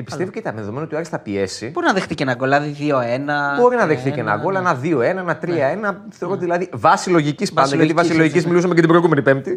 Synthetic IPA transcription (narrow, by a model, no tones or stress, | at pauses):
epist̪e̞voceit̪ɐmeðeðoenot̪iɐɾisθɐpie̞siboɾnɐðexθicenɐɡolɐðiðio̞e̞nɐbo̞ɾinɐðexθicenɐ̰ɡolɐnɐðio̞enɐenɐt̪ɾiɐenɐθeoɾot̪iðilɐðivɐsilo̞ʝicispɐnd̪ɐjɐt̪ivɐssiloʝicizmilusɐmecɐt̪ibɾoiɣume̞nipemt̪i